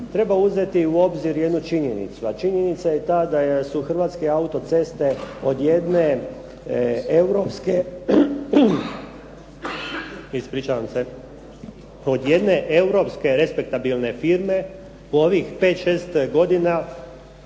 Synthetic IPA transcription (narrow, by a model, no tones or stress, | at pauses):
t̪ɾe̞bauze̞t̪iuo̞bziɾje̞d̪nut͡ʃiɲenḭt̪suat͡ʃiɲe̞nit̪sajet̪aːd̪asuxr̩ʋaːt̪ske̞aut̪o̞t̪se̞st̪e̞o̞d̪jed̪ne̞ | ewɾopske | ispɾiːt͡ʃaʋamse̞ | o̞d̪je̞d̪ne̞ʔe̞uɾo̞pske̞ɾe̞spek̚t̪abilˠne̞fiɾme̞ | uo̞ʋixpeːt̪ʃe̞ːst̪ɡo̞d̪ina